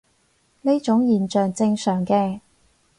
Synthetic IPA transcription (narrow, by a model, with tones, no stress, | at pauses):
ne˥t͡ʃʊ˨˥ŋjiː˨nt͡ʃœː˨ŋt͡sɪ˧ŋsœː˨˩ŋkɛː˧